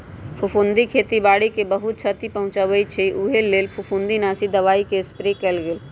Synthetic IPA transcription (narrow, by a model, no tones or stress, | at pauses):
pʰʊfũnd̪ikʰeːt̪ibaːɽikebɐɦʊt̪̚t͡ʃʰət̪ipɐɦʊ̃t͡ʃaʋəit͡ʃʰiʔuɦeleːlpʰʊfũnd̪inaːsid̪ɐʋaːikespɾikɐlɡel